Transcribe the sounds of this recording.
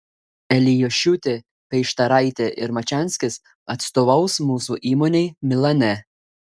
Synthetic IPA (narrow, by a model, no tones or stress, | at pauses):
ɛlʲɪjɔʃʲut̪ʲe | pʲɛɪʃt̪ɐɾɐˑɪt̪ʲeʔɪɾmɐt͡ʃʲæˑnʲsʲkʲɪs | ɐt̪st̪oːʋɐʊsmuːsuʔiːmoːnʲɛɪmʲɪlˠɐnʲɛ